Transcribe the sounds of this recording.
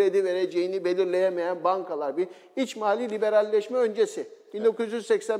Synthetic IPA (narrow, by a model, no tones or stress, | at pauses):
ed̪ive̞ɾed͡ʒejinibe̞lʲiɾlʲe̞jɛmejænbaŋkʰalˠaɾbiɾ | it͡ʃmaːlʲiːlʲibe̞ɾalʲːɛʃmɛønd͡ʒe̞sib̥ind̪o̞kuzjyzsɛcsæn